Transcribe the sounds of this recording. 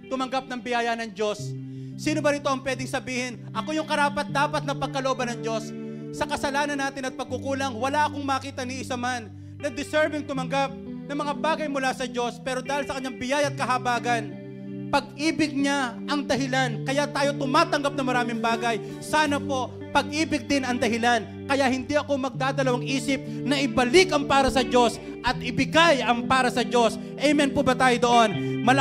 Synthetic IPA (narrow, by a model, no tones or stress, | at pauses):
t̪ʊmɐŋɡap̚nɐŋbɪjaːjɐnɐŋd͡ʒo̞sː | iːnobɐɾɪt̪o̞ʔɐŋpwɛːd̪ɪŋsɐbiːhɪnʔɐko̞jʊŋkɐɾaːpɐt̪̚d̪aːpɐt̪̚nɐt̪̚pɐɡ̚kɐloʔobɐnɐŋd͡ʒo̞sː | ɐkɐsɐlaːnɐnːaːt̪ɪnɐt̪̚pɐɡ̚kʊkuːlɐŋwɐlaʔɐkoŋmɐːkiːt̪ɐnɪʔɪsɐmanː | ɐd̪ɪsɛɹbɪŋt̪ʊmɐŋɡap̚nɐŋmɐŋabaːɡɐjmʊlasɐd͡ʒo̞spɛːɾo̞d̪aːhɪlsɐkɐɲːaŋbɪjajɐt̪̚kɐɦɐbaːɡɐn | pɐɡ̚ʔiːbɪɡ̚ɲaʔɐŋd̪ɐɦɪlankɐjaʔt̪aːjo̞t̪ʊmaːt̪ɐŋɡap̚nɐŋmɐɾaːmɪŋbaːɡɐj | saːnɐpo̞ʔ | pɐɡ̚ʔiːbɪɡ̚d̪ɪnɐŋd̪ɐɦɪlan | kɐjaʔhɪnd̪iʔɐko̞mɐɡ̚d̪aːd̪ɐlɐwaŋʔiːsɪp̚nɐʔɪbɐlɪkɐŋpaːɾɐsɐd͡ʒo̞s | ʔɐt̪ʔɪbɪɡajɐŋpaːɾɐsɐd͡ʒo̞s | ʔɛjmɛnpobɐt̪aːjod̪oʔo̞nmɐl